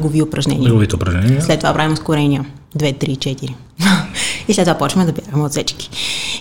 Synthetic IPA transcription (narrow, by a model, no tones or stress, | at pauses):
ɡoviʊpɾɐʒnɛ̰niɛɡovit̪ɛʊpɾɐʒnɛnʲslɛt̪ːovapɾavimʊskʊɾɛniə | d̪vɛt̪ɾit͡ʃɛt̪iɾi | islɛt̪ːovapɔt͡ʃvɐmɛd̪ɐbʲjaɡəmɛot̪sɛt͡ʃki̥